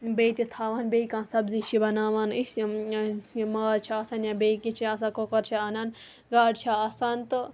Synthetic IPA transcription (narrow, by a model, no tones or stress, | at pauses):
beːit̪it̪ʰaːʋaːnbeikãːnsɐbzit͡ʃʰibɐnaːʋaːnis | maːɾt͡ʃʰiaːsaːnjãːbeːikĩt͡ʃʰiaːs̬ãːkoːkɐɾt͡ʃʰiaːnaːn | ɡaːɖt͡ʃʰaaːsaːnt̪ɨ